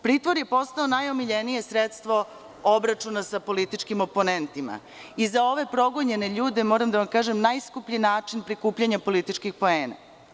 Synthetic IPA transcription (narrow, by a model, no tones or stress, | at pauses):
pɾiːt̪ʋoɾje̞po̞st̪aonajo̞miʎenije̞sɾet̪st̪ʋo̞ | obɾat͡ʃunasapo̞lit̪it͡ʃkimo̞po̞nent̪ima̰ | izao̞ʋe̞pɾo̞ɡoɲe̞ne̞ʎuːd̪e̞mo̞ːɾamd̪aʋamkaːʒemnajskupʎinaːt͡ʃinpɾikuːpʎaɲapo̞lit̪it͡ʃkixpo̞eːna̰